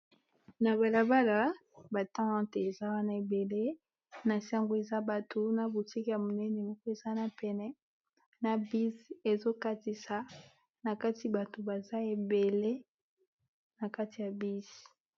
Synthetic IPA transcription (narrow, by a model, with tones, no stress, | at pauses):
na˨βa˨la˨ba˦la˨ba˨tã˦te˨e˨za˦wa˦na˦˨e˨be˨le˦ | na˨sa˦ŋɡo˨e˨za˦ba˨tʰo˨na˨bo˨ti˦ki˨ja˨mo˨nɛ˦ne˨mɔ˦kɔ˦e˨za˦na˨pɛ˨nɛ˦ | na˨bi˦ze˨zo˦ka˦ti˨sa˨ | na˨ka˦ti˨ba˨to˨ba˨za˦e˨be˨le˦ | na˨ka˦ti˨ja˨bi˦z